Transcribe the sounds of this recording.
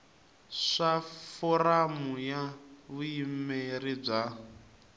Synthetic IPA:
ʂafɔramujaβuimmerib͡ʐa

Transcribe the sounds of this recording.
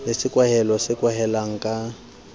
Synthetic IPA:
lesɪkʼwaɦɛlɔsɪkʼwaɦɛlaŋ̩kʼa

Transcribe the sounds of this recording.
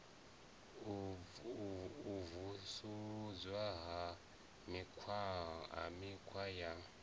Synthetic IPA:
vusuzwaɦa | mikʰwaa̰mikʰwaja

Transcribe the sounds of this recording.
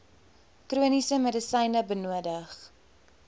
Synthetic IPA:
kruənisəmədəsəjnəbənuədəχ

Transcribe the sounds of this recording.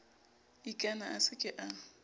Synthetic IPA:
ikʼanaʔasɪkʼɪʔa

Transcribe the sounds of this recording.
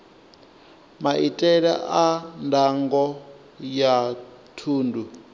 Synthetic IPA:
maʔitʼɛɺɛʔandʱaŋɡɔ | ja | tʰuːndu

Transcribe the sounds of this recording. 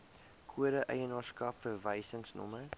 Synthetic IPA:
kʰuəɾəʔəjənɑːskɐpfərvɛjsəŋsnɔ̰mə

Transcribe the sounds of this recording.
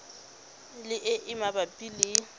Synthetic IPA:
lɪʔɪʔɪmabapʼilɪ

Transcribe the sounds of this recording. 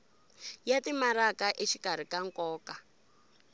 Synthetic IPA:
jatimaɾakaʔet͡ʃikaɾ̤ikaŋkɔːka

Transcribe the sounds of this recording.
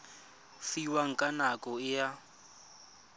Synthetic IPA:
fiwaŋ̩kʼanakʼɔɪja

